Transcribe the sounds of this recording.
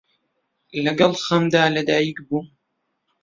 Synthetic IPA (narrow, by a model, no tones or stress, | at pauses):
ʔɪlaɡalxamd̪aːlad̪ajikbum